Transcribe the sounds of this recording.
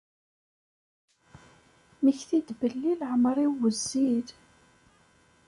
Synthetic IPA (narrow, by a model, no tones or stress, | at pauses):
məçθid̪bəlːilʕəmɾˤiwəzːið